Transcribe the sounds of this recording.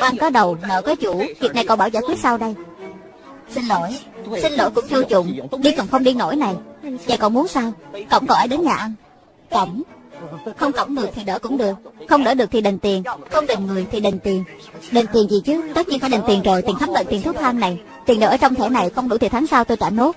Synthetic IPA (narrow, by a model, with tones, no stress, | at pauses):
ʔa˧nkɔ˨˦ɗə˨˩wnə̰ː˧˩kə˨˦jt͡ɕu˧˩vi˨˩ək̚na˨˩jkɔ˧˩ɓaː˧˩wzaː˧˥jkwi˦˥t̚saː˧wɗə˧j | si˧ŋ̟lo̰˧˥˨jsï˧ŋ̟lo̰˧˥jkʊ̰˧˥ŋ͡mt͡ɕu˧t͡ɕʊ̰˧˨ŋ͡mɗi˧kɔ˨˩wŋ͡mxə˧wŋ͡mɗi˧no̰˧˥jna˨˩jɲaː˨˩kɔ̰˧˩nmu˨˦nsaː˧wkə̰˧˩wŋ͡mkɔ˨˩ʔaː˨˦jɗe˨˦nɲaː˨˩ʔa˧n | kə̰˧˩wŋ͡m | xə˧wŋ͡mkə̰˧˩wŋ͡mɗɨ˨˩ək̚t̪ʰi˨˩ɗəː˧˦kʊ̰˧˥ŋ͡mɗɨ˨˩ək̚xə˧wŋ͡mɗə̰ː˧˩ɗɨ˨˩ək̚t̪ʰi˨˩ɗə˨˩ŋ̟t̪i˨˩ənxə˧wŋ͡mɗe˨˩ŋŋɨ˨˩əjt̪ʰi˨˩ɗə˨˩ŋ̟t̪i˨˩ən | ɗe˨˩n̟t̪i˨˩ənzi˨˩t͡ɕɨ˨˦t̪ə˦˥t̚ɲi˧ŋfaː˧˩ɗŋ̟t̪i˨˩ənzəː˨˩jt̪i˨˩ŋt̪ʰmɓə̰˧˨nt̪i˨˩nt̪ʰu˦˥t̚t̪ʰaː˧mna˨˩j | t̪i˨˩nɗə̰ː˨˩əː˧˦˩t͡ɕɔ˧wŋ͡mt̪ʰɛ˧˩na˨˩jxə˧wŋ͡mɗu˧˩t̪i˨˩t̪ʰːŋsaː˧wt̪o˧jt͡ɕaː˧˩no˦˥t̚